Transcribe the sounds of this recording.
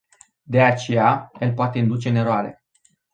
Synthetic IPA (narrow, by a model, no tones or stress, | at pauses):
d̪e̞at͡ʃe̞jaelpoat̪e̞ɨnd̪ut͡ʃe̞ɨne̞ɾoaɾe̞̰